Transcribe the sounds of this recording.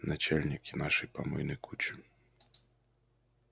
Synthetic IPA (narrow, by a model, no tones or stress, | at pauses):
nat͡ʃɛlʲnʲikinaʂɨjpɐmɔ̰jnɨjkʰut͡ʃi